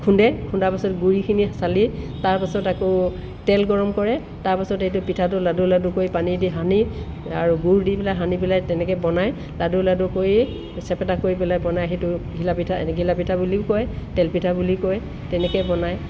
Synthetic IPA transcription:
kʰundɛkʰundapasɔtɡuɹikʰinisalitaɹpasɔtakɔ | tɛlɡɔɹɔmkɔɹɛ | taɹpasɔtejtʊpitʰatʊladuladʊkojpanidiɦani | aɹuɡuɹdipɛlajɦanipɛlajtɛnɛkɛbɔnaj | laduladʊkoji | sɛpɛtakoɹipɛlajbɔnajɦejtʊɡʱilapitʰaɡʱilapitʰabuliʊkɔjtɛlpitʰabulikɔj | tɛnɛkɛbɔnaj

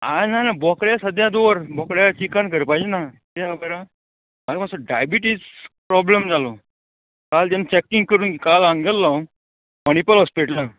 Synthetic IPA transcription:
anajnabɔkɽjasəd̪ʱjad̪oʋəɾbɔkɽjat͡ɕikankəɾpajd͡ʑnat̪aɡəjɾa | malapasaɖajbiʈispɾɔblemd͡zalo | kald͡ʑ̪ant͡ɕɛkːiŋɡ̚kəɾuːnkikalãŋɡəlːaw | məñipəlɦɔspiʈlə

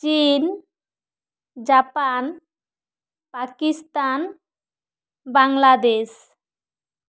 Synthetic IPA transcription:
t͡ʃin | d͡ʒapan | pakist̪an | baŋlad̪es

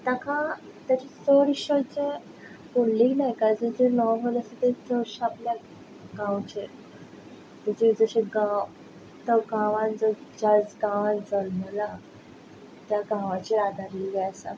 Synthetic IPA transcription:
t̪aka | t̪jat͡ɕisəɾiɕəɾt͡ɕe | poɽliːnajkad͡zəd͡ʑenɔmələsət̪ed͡zəɕaplja | ɡãwt͡ɕe | t̪at͡ɕid͡zəɕeɡãw | t̪əɡãʋãnd͡zəd͡ʑad͡zɡãʋãnd͡zəlməla | t̪jaɡãʋat͡ɕead̪ʱaɾiɡeəsa̰

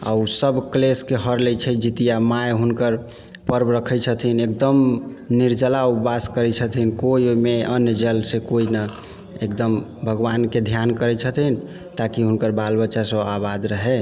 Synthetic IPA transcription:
a̰usəbkleskeɦəɾlɛt͡ʃʰɛd͡ʒit̪ijamajɦunkəɾ | pəɾbɾəkʰɛt͡ʃʰət̪ʰinek̚d̪əm | niɾd͡ʒəlaupaskəɾɛt͡ʃʰət̪ʰinkoimeənjəd͡ʒəlsekoina | ekd̪əm | bʱəɡʋanked̪ʱjankəɾɛt͡ʃʰət̪ʰin̆ | t̪akiɦunkəɾbalbəːʃasəbabad̪ɾəɦɛ

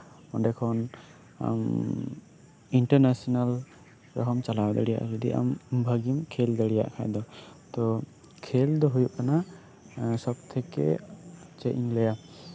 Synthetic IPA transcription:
ɔnɖɛkʰɔn | a̰m | iɳʈəɾnasɔnal | ɾɔ̰ɦɔmt͡ʃalawad̪aɽija̰ʔd͡ʒɛd̪ḭʔa̰mbʱaɡimkʰeld̪aɽija̰ʔkʰajd̪ɔt̪ɔ | kʰeld̪ɔɦujuʔkana | sɔbt̪ʰɛkɛ̰t͡ʃɛʔiŋlɛja

